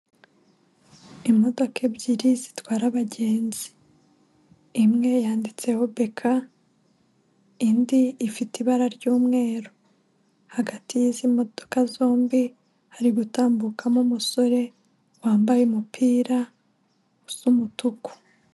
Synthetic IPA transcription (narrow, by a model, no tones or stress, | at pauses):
imo̞do̞kʰebɟiɾizitwaːɾaβaɟe̞ːnzi̥ | mŋe̞jaːndit͡se̞ho̞be̞kʰa | indiːfitiβaɾaɾɟuːmŋe̞ːɾo | haɡatʰijizimo̞d̥okazo̞ːmbi | haɾiɡutaːmbukʰamumuso̞ɾe̞ | waːmbajemupʰiːɾa | usumutuku̥